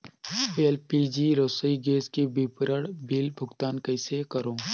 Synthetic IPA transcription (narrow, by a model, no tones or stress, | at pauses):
elpiːd͡ʒiːɾoːsəiɡeːskibɪpɾəɽbʱilbʱʊɡt̪aːnkəɪsekəɾõː